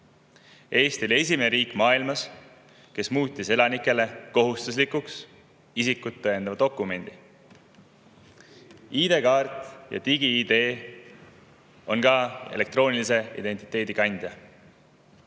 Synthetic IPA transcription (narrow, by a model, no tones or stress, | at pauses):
e̞ːst̪olie̞sʲimeneɾiːkˑmɑːilmɑs | ke̞smuːt̪ʲːise̞lɑnikːˑe̞le̞ko̞ɦust̪us̬likuks | isikːˑut̪ːɤjend̪ɑvɑd̪̥o̞kːume̞nʲd̪̥i | iːd̪e̞kɑːrt̪ˑjɑ̰t̪iɡiid̪e̞ː | o̞̰nkɑe̞̰le̞k̚t̪ro̞ːnʲilise̞ḭd̪e̞nʲt̪i̥t̪ːˑe̞ːd̪̥ikɑnʲd̪̥jɑ